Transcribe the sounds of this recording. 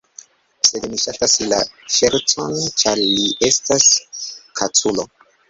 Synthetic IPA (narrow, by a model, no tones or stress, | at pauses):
se̞dmiʃatasila̰ʃe̞ɾt͡so̞nt͡ʃaɾliʔe̞staskʰat͡sulo̞